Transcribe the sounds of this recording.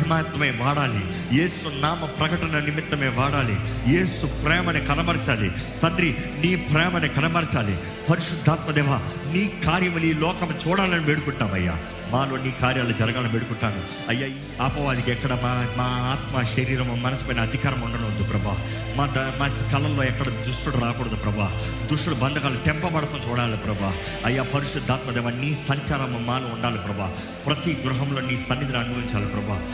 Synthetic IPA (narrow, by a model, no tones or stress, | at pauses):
ɐɐmaːɐt̪ːɐmeːʋaːɽaːlḭ | jeːsunaːmɐpɾɐkɐʈɐnɐnimit̪ːɐmeːʋaːɽaːlḭje̞ːsupɾɛːmɐnekɐnɐbɐɾt͡ʃaːlḭt̪ɐnɾiniːpɾɛːmɐnekɐnɐbɐɾt͡ʃaːlḭ | pɐɾiʃud̪ʱːaːt̪mɐd̪ɛːʋaniːkaːɾjɐmɐliːlɔːkɐmt͡ʃuːɽaːlɐniʋeːɽukuɳʈːaːmɐ̰jːa̰ː | maːloːniːkaːɾjaːlud͡ʒɐɾɐɡaːlɐniʋeːɽukuɳʈːaːnu | ɐjːaːi | aːpɐʋaːd̪ikɛkːɐɽɐmaːmaːaːt̪maːʃɐɾiːɾɐmmɐnɐsipɐːjinɐːd̪ʱikaːɾɐmuɳɖɐnund̪upɾɐbaː | mad̪ɐmaːkɐlɐlːo̞ːɛkːɐɽɐd̪ɾuʂʈuɽuɾaːkuːɽɐd̪upɾɐbaː | d̪ɾuʂʈuɽubɐnd̪ʱɐkaːlut̪ɛmpɐbɐɽɐt̪ɐmt͡ʃuːɽaːlipɾɐbʱaː | ɐjːaːpʰɐɾuʃɐd̪ːaːt̪mɐd̪ɛːʋɐːniːsɐɲt͡ʃaːɾɐmɐmaːluːɳɖaːlipɾɐbaː | pɾɐt̪iɡɾuɦɐmloːnːiːsɐnːid̪ɐnɐnɡoːiɲt͡ʃaːlɐpɾɐba̰ː